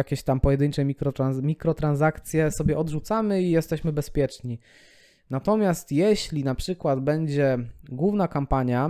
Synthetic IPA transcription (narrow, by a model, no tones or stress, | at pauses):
jakʲeɕt̪ampɔjɛd̪ɘɲt͡ʂɛmʲikɾɔamʲikɾɔt̪ɾanzakt̪sʲjɛsɔbʲjɛʔɔd̪ʐut̪samɘijɛst̪ɛɕmɘbɛspʲjɛt͡ʂɲi | nat̪ɔmʲjast̪jɛɕlʲinapʂɘkwad̪bɛɲd͡ʑɛɡwuvnakampaɲja